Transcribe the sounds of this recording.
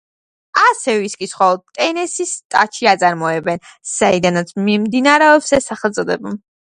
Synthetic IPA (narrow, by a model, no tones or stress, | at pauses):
asɛviskʼisχɔlˠɔd̪̚t̪ʼɛnɛsist̪ʼat͡ʃʰiat̪sʼaɾmɔɛbɛnz̥aid̪anat̪sʰmimd̪inaɾɛɔpsɛsaχɛlt̪zʼɔd̪ɛba